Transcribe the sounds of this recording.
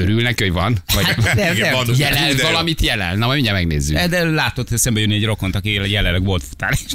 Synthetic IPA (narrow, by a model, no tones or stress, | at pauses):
øɾylnɛkioɟvɒnvɒɟt̪ɛɛjɛlvɒlɒmit̪jɛlɛ̰nnɛmɔmiɲːɛmɛɡnḛːzːyd̪ɛlaːt̪o̞t̪ːɛsɛmbɛjønːiɛɟro̞ko̞nt̪ɒkieljɛlːɛnlːɛɡʋo̞lt̪fu̥t̪a̰ːneʃ